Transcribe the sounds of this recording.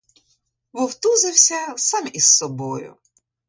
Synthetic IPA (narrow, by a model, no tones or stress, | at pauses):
ʋɔwt̪uzɪwsʲɐsɑmisːɔbɔjʊ̰